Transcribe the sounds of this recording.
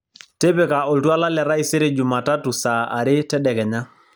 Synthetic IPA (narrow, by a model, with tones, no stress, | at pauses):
te˦pe˨ka˨o˨ltu˦a˦la˦lɛ˨ɾa˦i˨se˦ɾe˨d͡ʒu˨ma˨ta˦tu˨sa˨a̰˨ɾɪ˦tɛ˦ɗɛ˨kɛ˨ɲa˦